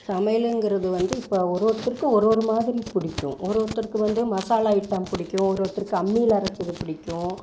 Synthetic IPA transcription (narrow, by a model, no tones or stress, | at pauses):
sɐmɐjɪlɛŋɡɪɾɐðɯʋɐnd̪ɯɪpːɐːɔɾoːɾt̪ːɪɾkːɯɔɾoːɾɯmaːðɪɾipɪɽɪkʲːʊ̰̃ʔɔɾoːt̪ːɪɾkːɯʋɐnd̪ɯmɐsaːlaːjɪʈːaːmpɪɽɪkʲːʊ̃ɔɾoːɾt̪ːɪɾkːɯɐmːiːlɐɾɐt̪ːɐðɯpɪɽɪkʲːʊ̃